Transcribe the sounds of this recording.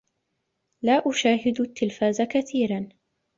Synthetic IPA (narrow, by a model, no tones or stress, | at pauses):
laːʔʊʃaːɦɪd̪t̪ːɪlfaːzakaθiːɾan